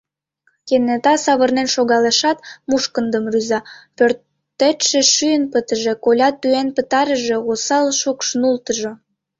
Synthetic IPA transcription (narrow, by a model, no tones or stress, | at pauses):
kenet̪ɑsɑβərnenʃoɣɑleʃɑt̪muʃkənd̪əmryzɑpørt̪ː | et̪ʃeʃyjənpət̪əʒe̽kolʲɑt̪ːyenpət̪ɑɾəʒe̽ɣosɑlʃukʃnult̪əʒo